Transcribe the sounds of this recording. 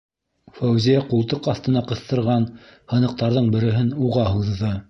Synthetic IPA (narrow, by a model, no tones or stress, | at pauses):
fæwzijæqulˠt̪ɤqɑθt̪ɤ̆nɑqɤ̆θt̪ɤ̆ɾʁɑnhɤ̆nɤ̆q̚t̪ɑɾðɤɴbɘ̆ɾɘ̆ɦɘnuʁɑhuðɤ